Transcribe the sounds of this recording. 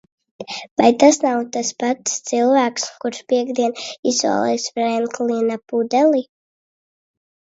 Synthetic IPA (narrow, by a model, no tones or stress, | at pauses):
vajt̪asnawt̪aspat̪st̪silˠvæːkskuɾʃpiɛɡd̪iɛnisva̰ːlˠɛ̰jsfɾɛnklinapud̪ɛlˠi